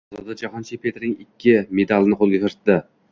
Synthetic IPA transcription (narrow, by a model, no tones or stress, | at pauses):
ɒzɒd̪ad͡ʒaɦɒnt͡ʃʰipʰet̪ɾnɪŋɪkʲʰːɪme̞d̪alˠɪnɪqʰolˠɡʲat̪ʰɪɾt̪d̪ɪ